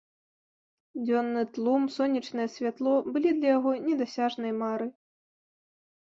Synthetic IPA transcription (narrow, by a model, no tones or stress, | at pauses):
d͡zʲɔnːɨt̪lˠumsɔnʲit͡ʂnɨjɛsʲvʲat̪lˠɔbɨlʲid̪lʲɐjaɣɔnʲɛd̪asʲaʐnɐjɛmaɾɨ